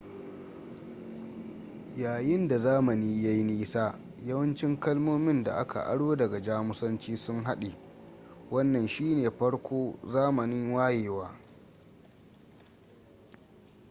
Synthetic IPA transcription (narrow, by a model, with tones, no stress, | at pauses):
jaː˨jɪ˦nda˨zaː˦mɐ˨niː˦ja˦jniː˦saː˦ | jɐ˦wɐ˦nt͡ʃɪ˦ŋkɐ˦lmoː˦mɪ˦nda̰˨ʔa˦ka̰˨ʔa̰˦ɽoː˦dɐ˨ɡɐ˨d͡ʒaː˦mʊ˦sɐ˦nt͡ʃiː˦sʊ˦ŋɦa˦ɗe˨ | wɐ˦nːɐ˨nʃiː˦neː˨ɸɐ˦ɽkʷoː˦zaː˦mɐ˨nɪ˦ŋwaː˦jeː˨waː˦